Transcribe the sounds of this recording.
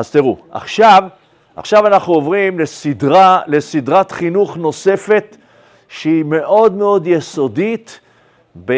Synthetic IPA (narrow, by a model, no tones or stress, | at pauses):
azt̪iʁua̰χʃav | a̰χʃavanaχnuovʁimlesidʁalesid̪ʁat̪χinuχno̞se̞fe̞t̪ | ʃeime̞ʔo̞d̪me̞o̞d̪jeso̞d̪it̪ | be